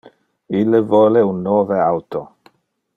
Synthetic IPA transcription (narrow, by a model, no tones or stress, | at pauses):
ilːevoːleunːoːveawt̪o